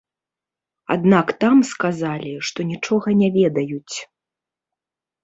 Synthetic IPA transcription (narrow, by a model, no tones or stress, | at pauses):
a̰d̪nakt̪amskazalʲiʂt̪ɔnʲit͡ʂɔɣɐnʲɛvʲɛd̪ɐjut͡sʲ